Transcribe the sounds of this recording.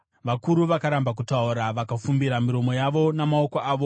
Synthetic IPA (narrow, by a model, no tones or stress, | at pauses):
ʋakuɾuʋakaɾambak̬utauɾaʋakafumbiɾamiɾo̞mo̞jaʋo̞namao̞koʔaːʋo̞